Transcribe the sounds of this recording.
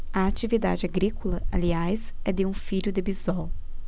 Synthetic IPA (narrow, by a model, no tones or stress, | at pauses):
ɐat͡ʃivid̪a̰d͡ʒɪaɡɾikolɐaliajsɛd̪ɪũfiʎʊd̪ebizɔw